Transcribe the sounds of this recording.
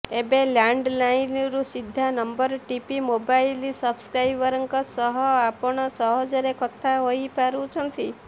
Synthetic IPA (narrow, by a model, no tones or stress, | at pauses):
ebelaɳɖlainɾũsid̪ʱːanəmbəɾʈipimobailisəbskɾajbəɾəŋkɔsɔɦɔapɔɳ̃ɔsɔɦɔd͡ʒəɾekɔt̪ʰːaɦoipaɾũt͡ʃʰənət̪ʰi